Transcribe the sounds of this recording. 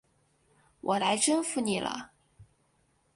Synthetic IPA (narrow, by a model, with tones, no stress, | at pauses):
wʔɔ˨˩la˧˥ɪʈ͡ʂə˥nfu˧˩ni˨˩lʔə̰˦